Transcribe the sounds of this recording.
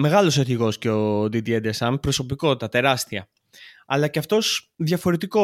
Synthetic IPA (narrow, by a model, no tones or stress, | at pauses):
me̞ɣɐlo̞seθiɣo̞sceo̞d̪id̪ied̪esɐmpɾo̞so̞piko̞t̪it̪ɐt̪e̞ɾɐst̪iɐ | ɐlɐceɐft̪o̞sðʝɐfo̞ɾet̪iko